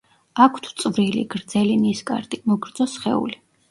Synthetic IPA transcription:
akʰt̪ʰt̪sʼvɾilḭɡ̥ɾd̪zɛliniskʼa̰ɾt̪ʼimɔɡɾd̪zɔsχɛ̰ṵli

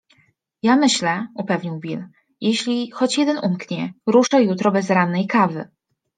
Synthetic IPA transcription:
jamɘɕlɛupɛvɲiwbʲil | jeɕlʲixɔt͡ɕjɛd̪ɛnumkɲɛɾuʂajut̪ɾɔbɛzɾanːɛjkavɘ̰

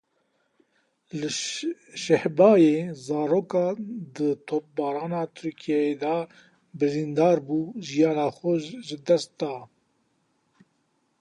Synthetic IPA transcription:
lɨ | ʃɛhbɑːjeːzɑːɾoːkɑːd̪ət̪ʰoːp̚bɑːɾɑːnɑːt̪ʰʊɾkʰijɛed̪ɑ | bɨɾind̪ɑːɾbuːʒijɑːnɑːxɛʒɨd̪ɛst̪̚d̪ɑː

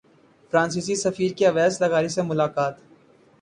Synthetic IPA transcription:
fɾãːnsiːs̬isɐfiːɾkiɐʋɛːslɐɣaːɾisemʊlaːkaːt̪

